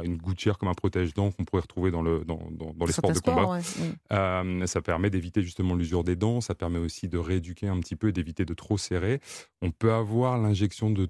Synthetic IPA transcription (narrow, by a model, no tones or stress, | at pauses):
ynɡut̪jɛʁkɔmɛ̃pχɔt̪ɛʒd̪ɑ̃kɔ̃puʁɛʁət̪χuved̪ɑ̃ləd̪ɑ̰̃d̪ɑ̰̃d̪ɑ̃lespɔʁd̪əkɔ̃baømsapɛʁmɛd̪evit̪eʒyst̪əmɑ̃lyzyʁd̪ed̪ɑ̃sapɛʁmɛosid̪əʁeed̪ykʲeɛ̃pət̪ipøed̪evit̪ed̪ət̪χoseʁeɔ̃pøavwaʁlɛ̃ʒɛksjɔ̃d̪ə